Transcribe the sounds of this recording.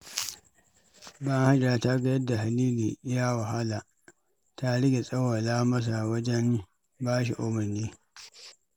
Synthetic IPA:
bɐ˦ha˦d͡ʒaː˨ta˦ɡɐ˦jɐ˦dːa˨ɦa˨liː˦liː˨˦jaː˦wa˨ɦa˦laː˨ | ta˦ɽɪ˦ɡʲe˨sʼɐ˦wɐ˨laː˦mɐ˦s̬a˨wɐ˦d͡ʒɛ˦n | baː˦ʃ̬ḭ˨ʔʊ˦mɐ˨neː˦

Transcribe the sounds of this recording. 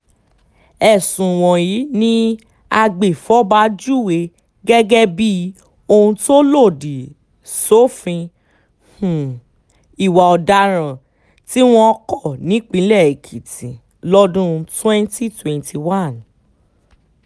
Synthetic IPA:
ɛ˦˨sũ˨w̃ɔ̃˨ji˨˦nĩ˦ | a˧ɡ͡be˨fɔ˨˦ba˨˦d͡ʒu˦˨we˨˧ | ɡɛ˦ɡɛ˦bi˦ | o˧hũ˧to˦lo˦˨di˨ | so˦fĩ˧ | h̩˨ | i˨wa˨ɔ˨da˧ɾ̃ã˨ | ti˦w̃ɔ̃˧˦kɔ˦˨nĩ˨˦k͡pĩ˨˦lɛ˦˨e˨kʰi˨tĩ˨ | lɔ˦dũ˦twɛ̃˦nti˦twɛ̃˨ntʰi˧wa˦˨n

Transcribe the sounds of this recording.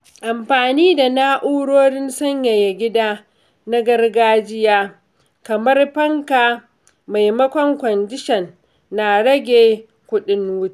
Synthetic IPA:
ʔa˨mɸaː˨niː˦da˨naː˦ʔuː˦ɽoː˦ɽɪ˦nsɐ˦ɲja˨ja˨ɡʲɪ˦daː˦ | na˦ɡɐ˦rɡaː˦d͡ʒɪ˦jaː˦ | kɐ˨mɐ˦rɸɐ˦ŋkaː˨ | ma˨jmɐ˦kʷɔ˦ŋkʷɔ˨nd͡ʒɪ˦ʃɛ˨nː | a˨ɽɐ˦ɡʲeː˨ | kʷʊ˦ɗɪ˦nwʊ˦t͡ʃi̥˦

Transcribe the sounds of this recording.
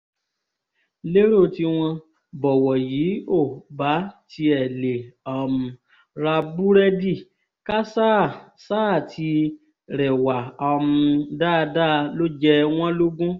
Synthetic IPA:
le˦ɾo˦˨ti˧w̃ɔ̃˧ | bɔ˨wɔ˨jiː˨˦o˦˨ba˨˦ti˧ɛ˨le˨ɔ˨mũ˨ | ɾa˧bu˦ɾɛ˦di˦˨ | ka˦sa˦˨ | saː˦˨ti˧ | ɾɛ˨wa˨ɔ˧mũ˧da˦˧da˦˨lo˦d͡ʒɛ˧w̃ɔ̃˦lo˦ɡũ˦

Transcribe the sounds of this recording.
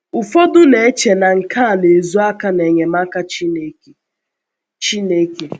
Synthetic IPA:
ʊ˨fo˦dʊ˦ne˨e˦t͡ʃe˨na˨ŋ̩˨kʰa˦a˨ne˨zu˦a˦ka˦ne˨ɲe˨ma˦ka˦t͡ʃi˦ne˦k | t͡ʃi˦ne˦ke˨

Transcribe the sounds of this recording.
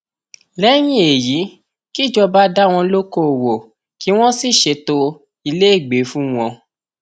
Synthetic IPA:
lɛ˦j̃ĩ˦e˨ji˨˦ | ki˦˨d͡ʒɔ˧ba˦da˦w̃ɔ̃˧lo˦ko˦˨wo˨ | ki˨˦w̃ɔ̃˦si˦˨ʃe˧to˧ | i˧le˦e˦˨ɡ͡be˨˦fũ˦w̃ɔ̃˧

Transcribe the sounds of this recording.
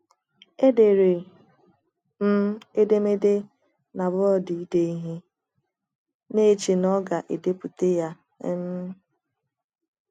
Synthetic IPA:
e˦de˨ɾe˨ | m̩˦e˦de˦me˦de˦ | na˨βɔ˦di˨i˦de˦i˦ɦe˦ | ne˦˨t͡ʃe˨nɔ˦ɡa˨ʔe˨de˦pu˨te˦ja˦ | e˦m̩˦

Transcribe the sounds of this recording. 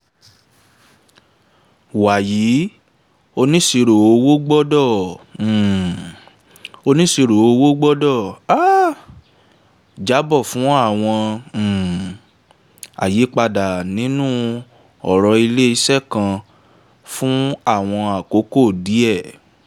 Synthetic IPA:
wa˨jiː˨˦ | o˧nĩ˦si˧ɾo˨o˧wo˦ɡ͡bɔ˦dɔ̃˦˨ | o˧nĩ˦si˧ɾo˨o˧wo˦ɡ͡bɔ˦dɔ˦˨a˦ | d͡ʒa˨˦bɔ˦˨fũ˨˦a˦˨w̃ɔ̃˧˨ | a̰˨je˨˦k͡pa˧da˨nĩ˨˦nũ˦ | ɔ˨ɾɔ˧i˧le˦i˧sɛ˦˨kã˧ | fũ˦a˦˨w̃ɔ̃˧a˨ko˨˦ko˦˨di˨˦ɛ˦˨

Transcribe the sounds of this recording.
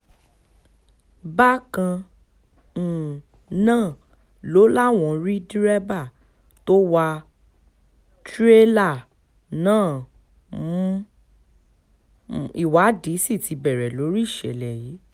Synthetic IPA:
ba˦kã˧ | ñ̩˨ | nãː˦˨ | lo˨˦la˦w̃ɔ̃˨˧˨ɾi˦di˦ɾɛ˦ba˦˨ | to˦wa˧ | tɾe˦la˦˨ | nãː˦˨˦ | i˨wa˨˦di˨˦si˦˨ti˧bɛ˨ɾɛ˨lo˨˦ɾi˦i˦˨ʃɛ̰˨lɛ˨ji˨˦

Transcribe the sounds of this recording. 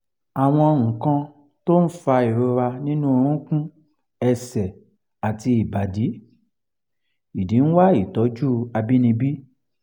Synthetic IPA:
a˨w̃ɔ̃˧ɔ˧ŋ̩̃˨kã˧ | to˦n̩˦fa˧i˨ɾo˨˧ɾa˧nĩ˦nũ˦o˧ɾ̃ũ˦kũ˦ | ɛ˧sɛ˨ | a˨ti˧i˨ba˨di˨˦ | i˨dĩ˨˦n̩˦wa˦i˨tɔ˨˦d͡ʒu˦a˧bi˦nĩ˧bi˦

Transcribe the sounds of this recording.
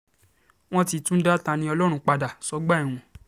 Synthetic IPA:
w̃ɔ̃˦ti˧tũ˦n̩˦da˦ta˧nĩ˧˦ɔ˧lɔ˦ɾ̃ũ˧˦k͡pa˧da˨sɔ˨˦ɡ͡ba˦ĩ˨ũ˨

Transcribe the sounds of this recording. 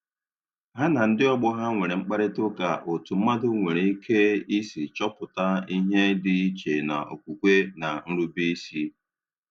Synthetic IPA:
ɦa˦na˨n̩˦dɪ˦ɔ˦ɡ͡bɔ˦ɦa˦ŋʷe˨ɾe˨ŋ͡m̩˦k͡pa˦ɾɪ˦tʊ˦ka˨ʔo˨tu˨m̩˦ma˦dʊ˦ŋʷe˨ɾe˨i˦kʰe˦i˦si˨t͡ʃɔ˦pʊ˨ta˦i˦ɦe˦dɪ˦i˦t͡ʃe˨na̰˨o̰˨kʷu˨kʷe˦na˨n̩˦ɾu˦bi˦si˦

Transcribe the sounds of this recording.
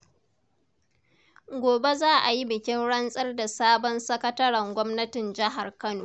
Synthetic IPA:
ɡʷoː˨be˦zaː˦ʔa˨ji˦bɪ˨kʲɪ˦nɽɐ˦nsʼɐ˦rda˨saː˦bɔ˦nsɐ˦kɐ˦tɐ˦ɽɐ˨ŋɡʷɔ˦mnɐ˦tɪ˨nd͡ʒɪ˦ɦa˨rkɐ˦noː˨

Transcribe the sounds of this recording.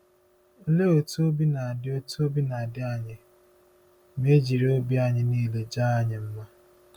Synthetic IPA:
le˦o˨tu˦o˦bi˦na˨a˨dɪ˦o˦tu˦o˦bi˦na˨a˨dɪ˦a˦˨ɲɪ˦ | me˦d͡ʒi˨ɾe˦o˦bi˦a˦˨ɲɪ˨niː˦˨le˨d͡ʒaː˦a˦ɲɪ˨m̩˦ma˦

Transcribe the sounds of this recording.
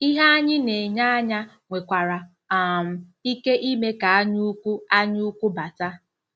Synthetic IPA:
i˦ɦa˦a˦ɲɪ˦ne˨ɲa˦a˦ɲa˦ | ŋʷe˨kʷa˨ɾa˨ | a˨m̩˨i˦ke˦ʔi˦me˦ka˨a˦ɲu˦kʷu˦a˦ɲu˦u˦kʷu˦ba˨ta˦

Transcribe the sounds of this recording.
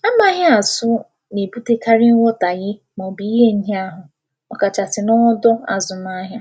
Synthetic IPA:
a˦ma˦ɦa˦a˨sʊ˦ | ne˨bu˦te˦ka˦ɾɪ˦ŋ˦ŋʷo˦ta˨ɣɪ˦ | mɔ˨bi˨˦ɦe˦n̩˦ɦe˦a˦ɦʊ˨ | ɔ˦ka˨t͡ʃa˨tɪ˨nɔ˦dɔ˦a̰˨zʊ˨na˦ɦja˦

